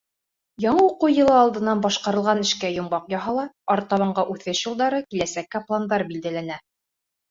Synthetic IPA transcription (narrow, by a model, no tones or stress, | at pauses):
jɒɴɤuqɤjɤ̆lˠɤɑlˠd̪ɤ̆nːɑnbɑʃqɑɾɤ̆lˠʁɑnɘ̆ʃkæjŏmbɑqjɑɦɑlˠɑɑɾt̪ɑβɑɴɢɑʔʉθɘʃjɤ̆lˠd̪ɑɾɤkilæsækːæplˠand̪ɑɾbild̪ælænæ